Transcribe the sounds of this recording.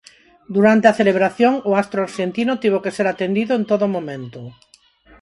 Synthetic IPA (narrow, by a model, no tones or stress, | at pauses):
d̪uɾant̪eaθeleβ̞ɾaθjoŋʊast̪ɾoaɾʃent̪inʊt̪iβokeseɾat̪end̪iðʊent̪oðʊmõmẽnt̪ʊ